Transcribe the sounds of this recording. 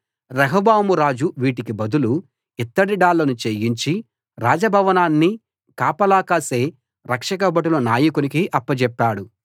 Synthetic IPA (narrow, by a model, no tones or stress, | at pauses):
ɾɐɦɐbaːmuɾaːd͡ʒuʋiːʈikibɐd̪ulu | it̪ːɐɽiɖaːlːɐnut͡ʃeːjiɲt͡ʃi | ɾaːd͡ʒɐbʱɐʋɐnaːnːi | kaːpɐlaːkaːse̞ː | ɾɐkʂɐk̬ɐbɐʈ̬ulɐnaːjɐkunikiʔɐpːɐt͡ʃɛpːaːɽu